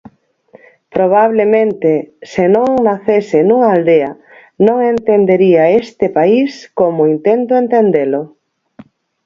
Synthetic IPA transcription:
pɾoβ̞aβlemẽnt̪esenõŋnaθesɪnuŋaald̪ea | nõŋent̪end̪eɾiaest̪epaiskomʊint̪ent̪oent̪end̪elʊ

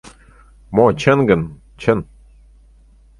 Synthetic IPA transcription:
mot͡ɕʰənɡə̆n | t͡ɕʰən

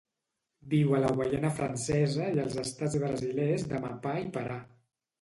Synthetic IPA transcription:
biwələɣwajenəfɾʔənsɛzəiəlˠzəst̪ad͡zβɾəzilezðəma̰paipəɾa

